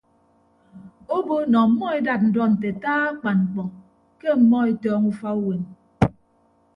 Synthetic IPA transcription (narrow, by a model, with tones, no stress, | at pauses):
o˦bo˦nɔ˨m̩˨mɔ˦e˦da˨t̚n̩˨dɔ˦n̩˨te˨taː˦a˦k͡pa˨nŋ͡m̩˨k͡pɔ˨ | ke˦m̩˨mɔ˦e˦tɔː˦ŋu˦fa˦u˦we˨n